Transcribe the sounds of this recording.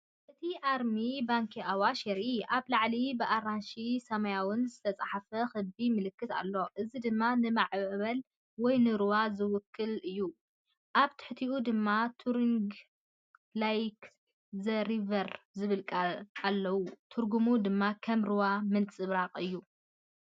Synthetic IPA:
ʔɨt̪ʰiʔaɾmibaŋkʰiawaʃɛɾiʔaβlaʕlibɨʔaɾanʃisɐmɐjawɨnzɨt̪ʰɐt͡sʼaħafɐxɨbimɨlɨkːɨt̪a̰lːo̞ʔɨzid̪ɨmːanɨmaʕbɐl | wɔjnɨɾɨwazɨwʊkʰːɨlɨjːu | ʔaβt̪ʰɨ̥ħt̪ʰiʔud̪ɨmːat̪ʰuɾiŋɡ | lajk | zɐɾivɐɾzɨβɨlkʼaalːɐwut̪ʰuɾɡumud̪ɨmːakʰɐmɾɨwamɨnt͡sʼɨβɾaqʼɨjːu

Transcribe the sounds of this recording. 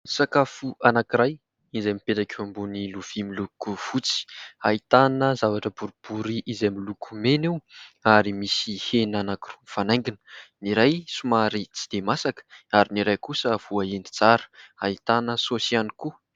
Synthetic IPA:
sakafuanakiɾaj | izamipeʈ͡ʂakʲuambuniluv̥imilukuv̥ut͡si̥ait̪anəzavaʈ͡ʂəbuɾub̥uɾiʔizamilukʰumeniwaɾimisihenanakirumifanaj̃ŋɡinə̥niɾajsumaɾit͡si̥d̪̥emasakə̥aɾiniɾajkusəv̥uaeni̥t͡saɾə̥ait̪anəsosianiku

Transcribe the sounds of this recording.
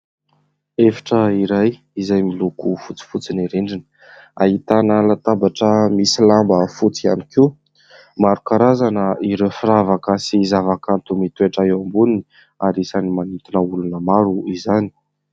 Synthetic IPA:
efḁʈ͡ʂəiɾaj | izajmilukufut͡si̥fut͡siniɾeɳɖ͡ʐinə̥ | a̰ɦit̪anəlat̪abaʈ͡ʂəmisilambəfut͡sia̰nikiu | maɾukaɾazanəiɾewfiɾavakəsizavakant̪umit̪ueʈ͡ʂaewambunini | aɾisanimanit̪inəulunəmaɾuizani̥

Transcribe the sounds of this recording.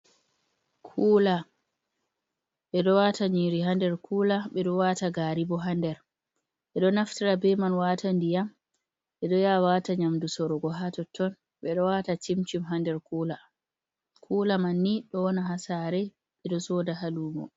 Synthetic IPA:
kʰuːla | ɓɛɗɔwataɲiɾiɦandɛɾkʰuːlaɓɛɗɔwataɡaːɾibɔɦandɛɾ | ɓɛɗɔnaftiɾabɛmanwatʰandijam | ɓɛɗɔjawataɲamdusɔɾɔɡɔɦatɔtːɔn | ɓɛɗɔwatatimt͡ʃimɦandɛɾkuːla | kʰuːlamanːiɗɔnaɦasaɾɛ | ɓɛɗɔsɔdahaluːmɔ̰

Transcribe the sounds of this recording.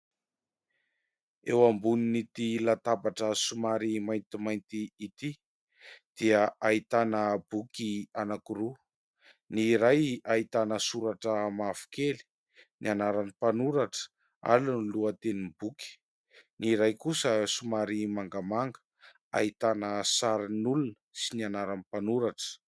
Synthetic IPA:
ewambuninit̪ilat̪abaʈ͡ʂəsumaɾimajnt̪imajnt̪iit̪i | d̪̥iəʔait̪anəbukianakuɾu | niɾajait̪anəsuɾaʈ͡ʂəmafu̥keli̥ | nianaɾanipanuɾaʈ͡ʂə̥ | a̰luniluət̪enibukʲi̥ | niɾajkusəsumaɾimaŋɡamaŋɡə̥ | a̰it̪anəsaɾinulunəsinianaɾanipanuɾaʈ͡ʂə̥

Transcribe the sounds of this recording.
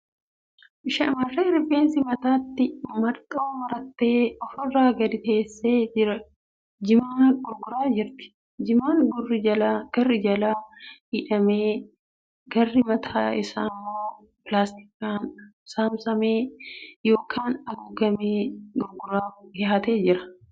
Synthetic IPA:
ɪʃɐmɐrːeːɾɪfeːnsɪmɐt̪aːt̪ːɪmɐɾt̪ʼoːwɐɾɐt̪ːe̞ːɔfɔrːaːɡɐd̪ɪt̪e̞ːsːe̞ːd͡ʒɪɾɐ | d͡ʒɪmaːnɡʊɾɡʊɾaːd͡ʒɪɾt̪ɪ̥ | d͡ʒɪmaːŋɡʊrːɪɐlaɡ̥ɐrːɪd͡ʒɐlaːhiːᶑɐmeː | ɡɐrːɪmɐt̪ʰaːɪsaːmːoː | plaːst̪ɪ̥kːaːn | saːmsɐmeːjo̞ːkʰaːnɐɡʊɡɐmeːɡʊɾɡʊɾaːɡɪhɐt̪e̞ːd͡ʒɪɾɐ̥

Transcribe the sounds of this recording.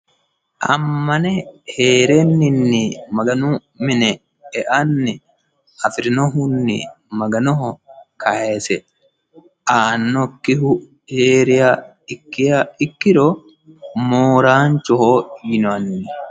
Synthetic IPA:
ʔɐmːɐnɛheːɾenːɪnːɪmɐɡɐnu | mɪnɛ | ɛʔɐnːɪ | ɐfɪɾɪnɔɦʊnːɪ̰ | mɐɡɐnɔɦɔkʰɐhesɛ | ʔaːnːɔkːɪhʊ | heːɾɪja | ɪkːɪjaɪkːɪɾo | moːɾaːnt͡ʃɔhoːjɪnɔɐnːɪ

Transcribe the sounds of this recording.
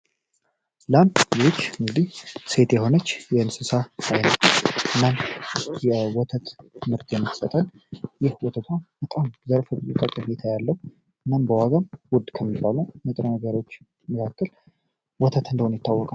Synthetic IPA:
lanjiot͡ʃːɨŋɡɨd̪ihse̞t̪jɛɦo̞nət͡ʃːjɛɨnsɨsaajnəwʔɨnːamjɛwɔt̪ʰət̪mɨɾt̪ʼjɛmːɨt̪sət̪ʼən | jɪhwɔt̪ʰət̪ʰwab̥ət̪ʼamzəɾfɨbzut̪ʼəkʼːəmet̪ʰajalːəhu | ɨnːambəwaɡamwʊd̪kʰəmːibːaluwmət̪ʼɾənəɡəɾot͡ʃː | məkʰakʰːəl | wɔt̪ʰət̪ʰɨnd̪əwonjɪt̪ʰːawːɔkʼa

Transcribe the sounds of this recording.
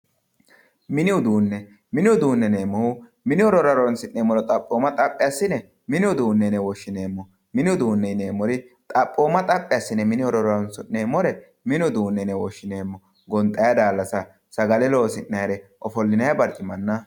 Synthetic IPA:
mɪnɪʊd̪uːnːɛ | mɪnɪwʊd̪uːnːɛne̞ːmːɔhʊ | mɪnɪɔɾɔɾɐɾɔɔnsɪnːeːmːɔɾɔt̪ʼɐpʼːoːmːɐt̪ʼɐpʼːɪasːɪnɛ | mɪnɪʊd̪uːnːɛnɛwɔʃːɪne̞ːmːɔ | mɪnɪʊd̪uːnːɛne̞ːmːɔɾɪt̪ʼɐpʼːoːmːɐt̪ʼɐpʼːɪjasːɪnɛmɪnɪɔɾɔɾɔɾɔnsʊneːmːɔɾɛ | mɪnɪʊd̪uːnːɛnɛwɔʃːɪne̞ːmːɔ | ɡɔnt̪ʼːɐjɐd̪aːlːɐsɐ | sɐɡɐlɛloːsɪnːɐjɾɛʔɔfɔlːɪnɐjɐbɐɾt͡ʃʼːɪmɐnːɐ

